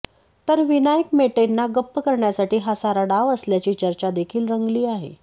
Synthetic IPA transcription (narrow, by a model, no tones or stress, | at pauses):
t̪əɾʋinajəkmeʈenːaɡəpːəkəɾɳjasaʈiːɦasaɾaɖaʋəsljat͡ɕiːt͡ɕəɾt͡ɕad̪ekʰiːlɾəŋɡliːaɦḛ